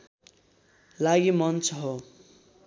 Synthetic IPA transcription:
laɡimʌnt͡sʰɦo

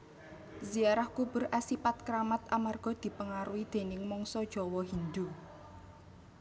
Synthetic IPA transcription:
ziaɾahkub̥ʊ̤ɾʔasipat̪̚kɾamat̪amarɡ̥ɔ̤d̪̥i̤pəŋaɾuwid̪̥e̤nɪŋmɔŋsɔd̥ʒ̥ɔ̤wɔɦind̪u

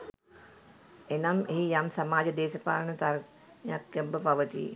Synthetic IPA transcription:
enameɦijamsamaːd͡ʒəd̪eːsəpa̰ːləɳət̪aɾ | njakːəmbəpaʋət̪ḭ

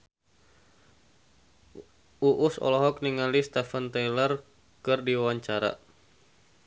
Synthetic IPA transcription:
uʔʊsɔ̰lɔɦɔk̚niŋalist̪afant̪ɛjlər | kɨrdiwawaɲt͡ʃaɾa̰

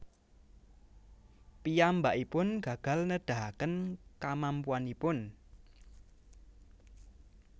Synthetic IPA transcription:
piambaʔipʊnɡ̥a̤ɡ̥a̤lnəd̥a̤ɦakənkamampuanipʊn

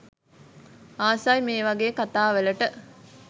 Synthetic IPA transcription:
aːsajmeːʋɐɡeːkat̪aːʋeləʈə

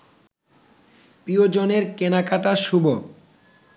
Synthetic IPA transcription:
piod͡ʑoneɾkenakʰaʈaʃubo

